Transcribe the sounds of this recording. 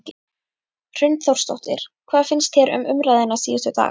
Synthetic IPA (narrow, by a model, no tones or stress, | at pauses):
r̥ʏnt̪θowɾ̥rst̪o̰wht̪ɪ̰ɾ̥kʰvaːðfɪnst̪çɛɾʏ̰mʔʏmɾaːjðɪnːasiːðʏst̪ɛt̪a̰ː